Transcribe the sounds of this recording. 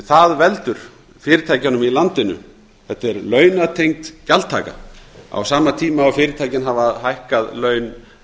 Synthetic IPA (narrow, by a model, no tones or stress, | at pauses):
θaðvɛlt̪ʏɾ̥ | fɪːɾɪt̪ʰaːjcanʏmilant̪ɪnʏ̰ | θɛht̪ɛɾlœːɥnat̪ʰejŋ̚t̪calt̪ʰa̰ːka̰a̰wsaːmat̪ʰiːmaːwfɪːɾɪt̪ʰaːjcɪnɦavaðhajhkaðlœːɥn